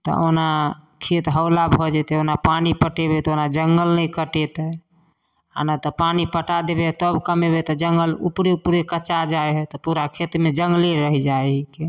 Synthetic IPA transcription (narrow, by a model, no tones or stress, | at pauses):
t̪ɔ̰onakʰet̪ɦəwlabʱɔd͡ʒɛt̪ɛonapanipəʈebet̪ɔonad͡ʒəŋɡəlnəjkəʈet̪ə | a̰nat̪ɔpanipəʈad̪ebet̪əbkəmebet̪ɔd͡ʒəŋɡəlṵpɾeupuɾekət͡ʃad͡ʒaeɦɛt̪ɔpuɾakʰet̪med͡ʒəŋɡleɾəɦid͡ʒaeɦɛke